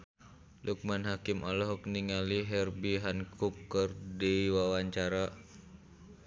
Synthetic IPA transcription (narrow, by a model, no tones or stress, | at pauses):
luk̚manɦakimɔlɔɦɔk̚niŋaliɦɛrbiɦankʰup̚ːərdɛiwawaɲt͡ʃaɾa